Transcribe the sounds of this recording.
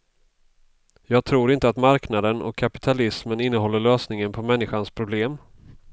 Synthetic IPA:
jɑːɡ̚t̪ʰɾuːɾɪnt̪əat̪maɾknad̪ənɔ̰kʰːapɪ̥t̪ʰalɪsmənɪnːəɦɔlːəɭøːsnɪŋənpʰɔmɛnːɪɧanspʰɾʊbleːm

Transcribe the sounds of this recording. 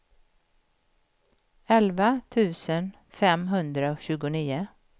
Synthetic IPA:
ɛlvat̪ʰʉ̟ːsən | fɛmɦɵnd̪ɾaoɕʉ̟ːɡʊniːʊ

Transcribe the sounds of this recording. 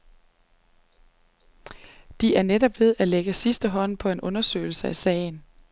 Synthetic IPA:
d̥iæɐnedɒ̽b̥ʋe̝ð̞ˠæleɡ̥əsisd̥əɦɒ̽n̰pʰɒ̽e̝nʔɔ̽nɐsø̰ːɪl̩səæsɛ̰ːɪn̩

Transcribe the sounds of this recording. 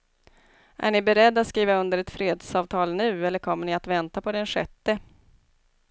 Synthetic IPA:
ʔæ̰ɳɪbɛɾɛd̪ːat̪skiːvaɵnd̪əɾɛt̪fɾeːd̪sɑːvt̪ʰɑːlnʉ̟ːɛlːəɾkʰɔmːəɳɪat̪vɛnt̪apʰɔd̪ɛnɧɛt̪ːə

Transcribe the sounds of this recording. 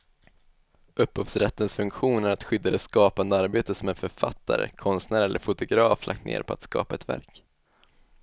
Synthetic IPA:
ʔɵphuːfsɾɛt̪ːənsfɵŋkɧuːnæɾat̪ɧʏd̪ːad̪ɛskɑːpand̪əaɾbeːt̪əsɔmɛnfœɾfa̰t̪ʰːa̰ɾə̰kʰɔnst̪næːɾɛlʔə̰ɾfʊt̪ʊɡɾɑːflʔa̰k̚t̪nḛːɾpʰɔat̪skɑ̰ːpaɛt̪væ̰ɾk

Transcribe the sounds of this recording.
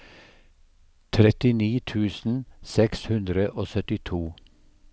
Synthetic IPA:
t̪ʰɾɛt̪ɪniːt̪ʰʉːsn̩sɛkshʉnd̪ɾəʔoːsœt̪ɪt̪ʰuː

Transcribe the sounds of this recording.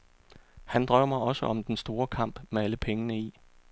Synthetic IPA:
hænd̥ʁɶʊ̰mɑ̈ɪɒ̽səʔɒ̽md̥ensd̥o̝ːɐkʰɑ̈m̰b̥meæləpʰeŋənəi

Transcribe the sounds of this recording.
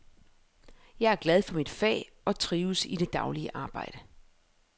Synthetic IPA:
jɑ̈ɪæɐɡ̥lɛð̞ˠfɒ̽mid̥fɛ̰ː | ɒ̽t͡sʰʁiːʊsid̥e̝d̥ɑ̈ʊliəʔɑ̈ːb̥ɑ̈ɪ̰ɾ̥ə

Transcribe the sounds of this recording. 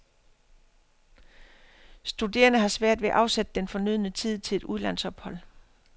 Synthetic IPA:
sd̥ude̝̰ːɐnəɦɑ̈sʋæɐ̰d̥ʋe̝ʔɑ̈ʊsed̥əd̥enfɒ̽nyð̞̰ˠnət͡sʰið̞̰ˠt͡sʰe̝le̝d̥uðˠlæn̰sɒ̽b̥hɒ̽l̰

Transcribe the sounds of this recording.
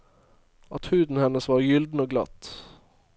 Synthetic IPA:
ɑt̪hʉːd̪n̩hɛnəsʋɑːɾjʏld̪n̩oːɡlɑ̰t̪

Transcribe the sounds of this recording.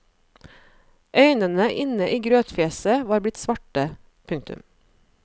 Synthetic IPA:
ʔœʏnənəʔɪnəʔiːɡɾøːt̪feːsəʋɑːɾblɪt̪sʋɑʈə | pʰʉŋt̪ʉ̰m

